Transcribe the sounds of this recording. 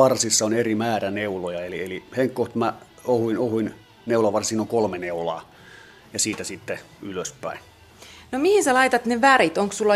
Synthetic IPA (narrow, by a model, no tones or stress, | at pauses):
ɑrsisːɑonerimæːræneulojɑelieliheŋkkoht̪mæ | ohuinohuin | neulɑʋɑrsiːnːoŋkolmeneulɑ̰ː | jɑsiːt̪æsit̪ːe | yløspæ̰ˑin | nomihinsɑlɑit̪ɑt̪neʋærit̪oŋkssulːɑ